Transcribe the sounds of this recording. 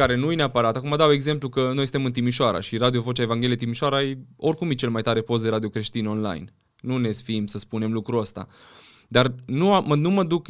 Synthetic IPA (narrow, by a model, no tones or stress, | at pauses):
aɾe̞nujeneapəɾat̪akumad̪awe̞ɡze̞mplukəno̞jsɨnemɨnt̪imiʃoaɾa̰ʃiɾad̪io̞vo̞t͡ʃaevanŋɡʲeliet̪imiʃoaɾaajo̞rkumjet͡ʃe̞lmajt̪aɾe̞po̞s̬t̪d̪e̞ɾad̪io̞kɾe̞ʃt̪ino̞nla̰jn | nune̞sfiimsəspune̞mlukɾuəst̪a̰ | d̪arnuamənuməd̪uk